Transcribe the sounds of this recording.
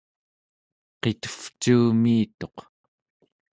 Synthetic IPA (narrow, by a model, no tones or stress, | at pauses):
qet̪ə̥ft͡ʃuːmiːt̪o̞q